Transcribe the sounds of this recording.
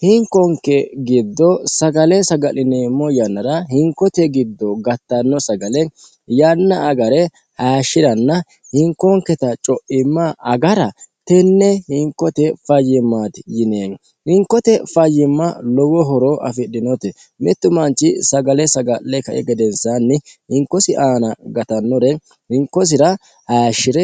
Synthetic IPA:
hɪŋkɔŋkːɛɡɪd̪ːɔsɐɡɐlɛsɐɡɐlɪneːmɔjɐnːɐɾɐɦɪŋkːɔt̪ɛɡɪd̪ːɔɡɐt̪ːɐnːɔsɐɡɐlɛ | jɐnːɐːɡɐɾɛ | haːʃɪd̪ɐnːɐ | hɪŋkːɔŋkɛt̪ɐt͡ʃʼɔʔɪmːaʔɐɡɐɾɐt̪ɛnːɛhɪŋkːɔt̪ɛfɐjːɪmːaːt̪ɪjɪneːn | hɪŋkːɔt̪ɛfɐjːɪmːɐlɔwɔɦɔɾoʔɐ̰fɪɗɪnɔt̪ɛ | mɛt̪ːʊmɐnt͡ʃːɪsɐɡɐlɛsɐɡɐlːɛkɐʔɛɡɛd̪ɛnsanːɪhɪŋkːɔsɪʔaːnɐɡɐt̪ɐnːɔɾɛ | hɪŋkːɔs̬ɪɾɐ | haːʃːɪɾɛ

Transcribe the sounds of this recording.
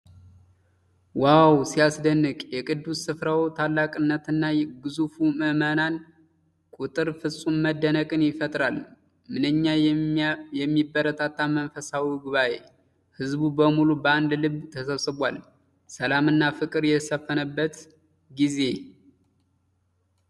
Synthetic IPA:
wawsiasd̪ənːɨkʼjɛkʼɨd̪ːusɨfɾawt̪ʰalːakʼɨnːət̪ɨnːaɡɨzufuməmənan | kʼut̪ʼɨɾfɨsʼumməd̪ːənəkʼɨnjɪfət̪ʼɾal | mɨnɨɲːa | jɛmːibːəɾət̪ʰat̪ʰːamənfəsawiɡuβaʔe | hɨzbubəmulubəand̪lɨβt̪ʰəsəβsɨβʷal | səlamɨnːafɨkʼɨɾjɛsəfːənəbːət̪ | ɡize̞

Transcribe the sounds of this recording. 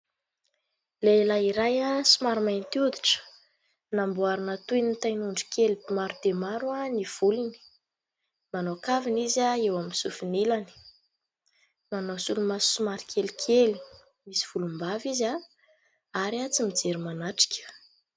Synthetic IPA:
lelaiɾajasumaɾimajnt̪iud̪iʈ͡ʂə̥ | nambuaɾinət̪ujnit̪ajnuɳɖ͡ʐi̥kʲelibimaɾud̪emaɾuaniv̥ulini̥ | manokavinizaewaminsufinilani̥ | manasulumassumaɾikʲʰelikʲʰeli̥ | misi̥v̥ulumbaviza | aɾiat͡simid͡zeɾimanaʈ͡ʂi̥kʲʰə̥

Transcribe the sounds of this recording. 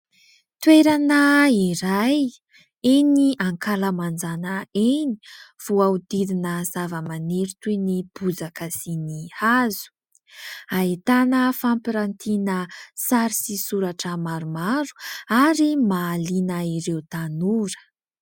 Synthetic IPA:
t̪weɾanəiɾaj | eniaŋkaləmand͡zanəeni̥v̥uaud̪iɾinəzavəmaneɾut̪enib̥ud͡zakasinihazu̥ | ait̪anəfampiɾant̪ʰinəsaɾisisuɾaʈ͡ʂəmaɾumaɾu̥aɾimaːlinəiɾewt̪anuɾə̥

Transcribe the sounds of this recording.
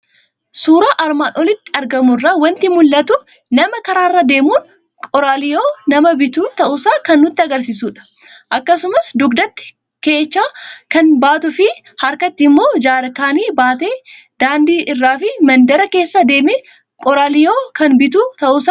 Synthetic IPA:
suːɾaːʔɐɾmaːnʔɔlɪt̪ːɪ̥ɐɾɡɐmʊrːaːwɐnt̪ɪmʊlːɐt̪ʊ | nɐmɐkɐɾaːrːɐd̪e̞ːmuːn | kʼɔɾaːlɪjoːnɐmɐbɪt̪uːt̪ɐʔʊsaːkɐnːʊt̪ːɪɐɡɐɾsisuːᶑɐ̥ | ʔɐkːɐsʊmɐsd̪ʊɡd̪ɐt̪ːɪ̥ | keːt͡ʃːaːkɐnbaːt̪ʊfɪ | hɐɾkɐt̪ːɪmːo̞ːd͡ʒaːɾɐkaːniːbaːt̪e̞ː | d̪̥aːnd̪iːʔɪrːaːfɪmɐnd̪ɐɾɐke̞ːsːɐd̪e̞ːme | kʼɔɾaːlɪjoːkɐnbɪt̪uːt̪ɐʔʊsaː

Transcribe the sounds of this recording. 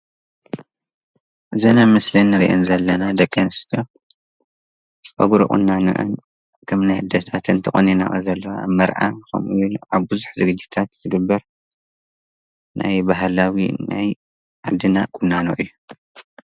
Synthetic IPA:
ʔzɐnamɐslɐnːɨɾḭʔonzɐlːɐnad̪ɐkʼenst̪ʰo | t͡sʼɐ̰ɡuɾṵkʼṵnːano̰ʔɨ̰n | kʰɐmnajhɨd̪ɐt̪ʰat̪ʰɨnt̪ʰɐχʼɐnina̰ʔɐzɐlːɐwa̰mɐɾʔa̰kʰɐ̰mʔujunʔaβbɨzuħzɨɡɨd͡ʒːit̪ʰat̪zɨɡɨbːɐɾ | nʔa̰jbaɦlawina̰j | ʕad̪ɨnakʼunːano̰ʔɨjːu

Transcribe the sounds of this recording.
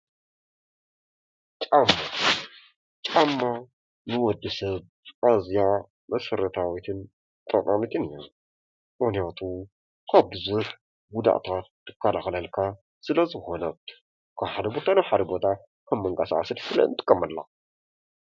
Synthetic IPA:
t͡ʃʼamːa | t͡ʃʼamːa | nɨwɔd̪ːɨsɐβ | azija | mɐsɐɾɐt̪ʰawit̪ʰɨn | t̪ʼɐnʼamit̪ʰɨnɨjɐm | mɨxnijat̪ʰu | kʰaβbɨzuħ | ɡʊd̪a̰ʔt̪ʰat̪ːɨ̥kʰːɐlaxlɐlkʰa | sɨlɐzɨxo̞nɐt̪ | kʰaβħad̪ɐbo̞t̪ʰanaβħad̪ɐbo̞t̪ʰa | kʰɐmːɐŋɡʼasa̰ʔa̰sɨdsɨlɐ̰ɨ̰nt̪ʰʼɨ̥kʼːɐmːɐlːa̰

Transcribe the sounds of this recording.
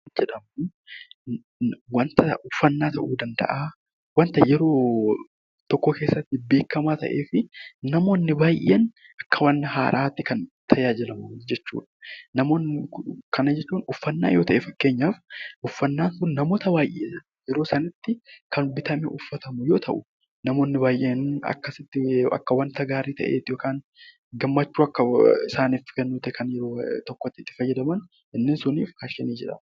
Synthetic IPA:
d͡ʒɛᶑɐmu | wɐnt̪ɐʊfːɐnːaːt̪ɐʔuːd̪ɐnd̪ɐ̰ʔaː | wɐnt̪ɐjɛɾo̞ː | t̪ɔkːoke̞ːsːɐt̪ːɪbe̞ːkːɐmaːt̪ɐ̰ʔeːfɪnɐmo̞ːnːɪbaːjʔɪ̰ɐn | ʔɐkːɐwɐnːɐɦa̰ːɾaːt̪ːɪkɐnt̪ʰɐjaːd͡ʒɪlɐmɐd͡ʒɛt͡ʃːṵːᶑɐ̥nɐmo̞ːnɪkʰɐnɐd͡ʒɛt͡ʃːuːnʊfːɐnːa̰ːjo̞̰ːt̪ɐʔeːfɐkːe̞ːɲːaːfʔʊfːɐnːaːnkʊnːɐmo̞ːt̪ɐbaːjʔḛːsɐ | jɛɾo̞ːsɐnɐt̪ːɪkɐnbɪt̪ɐmɛ̰ʔʊfːɐt̪ɐmʊjo̞ːt̪ʰɐʔʊ | nɐmo̞ːnːɪbaːjʔeːnɐ̰kːɐsɪt̪ːɪɐ̰kːɐwɐnt̪ɐɡaːɾiːt̪ɐ̰ʔḛːt̪ːɪjoːkaːn | ɡɐmːɐt͡ʃːuːɐkːɐɪsaːniːfɪɡɐnːuːt̪ɛkʰɐnjɛɾoːt̪ɔkːɔt̪ːɪt̪ːɪ̥fɐjːɐd̪ɐmɐn | ʔɪnːɪnsʊniːfhaːʃɛniːd͡ʒɛᶑɐ̰m

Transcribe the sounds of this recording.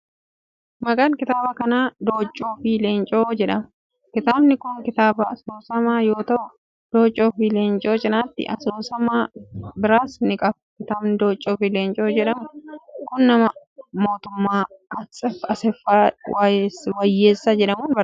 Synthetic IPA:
mɐkʼɐnkɪt̪aːbɐkɐnaːd̪o̞ːt͡ʃʼːoːfile̞ːnt͡ʃʼoːd͡ʒɛᶑɐmʊ | kɪt̪aːbnɪkʊŋkɪt̪aːbɐɐsoːsɐmaːjo̞ːt̪ɐʔʊ | d̪̥o̞ːt͡ʃʼːoːfileːnt͡ʃʼo̞ːt͡ʃʼɪnaːt̪ːɪ̰ʔɐsoːsɐmaːbɪɾaːsnɪkʼɐfkɪt̪aːbnɪd̪oːt͡ʃʼːoːfile̞ːnt͡ʃʼoːd͡ʒɛᶑɐmʊkʊnːɐmɐ | mo̞ːt̪ʊmːaːɐsɛfɐsɛfaːwwɐjːeːsːad͡ʒɛᶑɐmuːnbɐ

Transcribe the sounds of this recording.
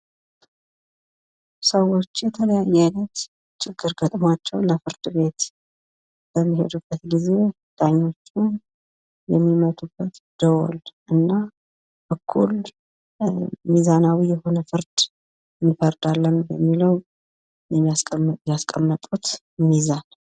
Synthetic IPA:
səwo̞t͡ʃːjɛt̪ʰələjajːajnət̪ | t͡ʃʰʼɪɡːɨɾɡət̪ʼmat͡ʃːɛwləfɨɾd̪̥βe̞t̪ | b̥əmːihe̞̰d̪ubːət̪ɡize̞ | d̪̥aɲːo̞t͡ʃːɪn | jɛmːimət̪ʰubːət̪d̪̥əwo̰lʔɨnːa | bəkʰːṵl | mizanawijɛho̞nəfɨɾd̪̥ | nːɨfəɾd̪alːəmbɛmːiləw | jɛmːijasʼjaskʼəmːət̪ʼut̪ | mizan

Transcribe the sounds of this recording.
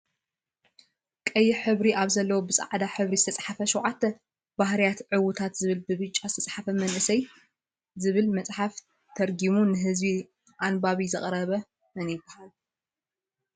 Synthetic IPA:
kʼɐjːɪħɨβɾiʔaβzɐlːɐwobɨsʼa̰ʕd̪aħɨβɾizɨt̪ʰɐt͡sʼħafɐʃɔwʕat̪ʰːɐ | bahɾijat̪ʕɨwʊt̪ʰat̪zɨβɨlbɨβɨt͡ʃʼːazɨt̪ʰɐt͡sʼħafɐmɐnʔɨsɐj | zɨβɨlmɐt͡sʼħaf | t̪ʰɐɾɡimunɨɦɨzbi | ʔanbaβizɐχʼɾɐβɐ | mɨnɪbɐhal

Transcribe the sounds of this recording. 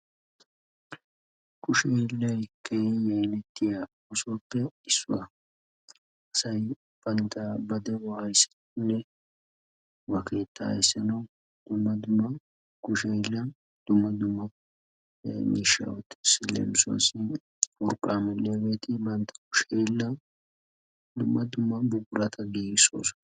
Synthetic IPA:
kʰʊʃejlːɐjkʰːɛjjɛjnɛt̪ʰːɪja | ʊsɔpːɛɪsːʊ̰wɐ | ɐsɐj | b̥ɐnt̪ʰɐbɐd̪ɛwɔhɐjsɐ̥ | nːɛ | wɐkʰeːt̪ʰːɐ̰jsːɐnɐw | d̪̥ʊmːɐd̪ʊmːɐ | kʊʃɛlːɐ | d̪̥ʊmːɐd̪ʊmːɐ | mḭːʃːa̰wɔt̪ːɪ̥sɪlḛːmsɐ̰sɪ | wɔɾkʼːaːmɛlːeɐweːt̪ʰɪbɐnt̪ʰːɐ̥ɐ̥kʊ̥ʃeɪlːɐ | d̪ʊmːɐd̪ʊmːɐbʊɡʊɾɐt̪ʰɐɡiːɡɪso̰ːsʊ̥

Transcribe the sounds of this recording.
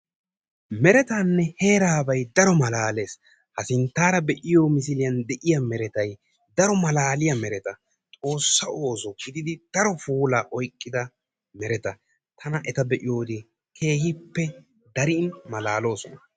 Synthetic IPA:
mɛɾɛt̪aːnːɛhe̞ːɾaːbɐjd̪ɐɾɔmɐlaːle̞ːs | hɐsɪnt̪ːaːɾɐbɛʔɪjoːmɪsɪlɪjɐnd̪ɛʔɪjɐmɛɾɛt̪ɐj | d̪ɐɾɔmɐlaːlɪjɐmɛɾɛt̪ɐ | t̪ʼo̞ːsːɐo̞ːsɔɡɪd̪ɪd̪ɪd̪̥ɐɾɔfuːlaʔɔjkʼːɪd̪ɐ | mɛɾɛt̪ɐ | t̪ʰɐnɐʔɛt̪ɐbɛʔɪjo̞ːd̪ɪ | kʰe̞ːhɪpːɛ | d̪ɐɾɪːnmɐlaːlo̞ːsɔnɐ

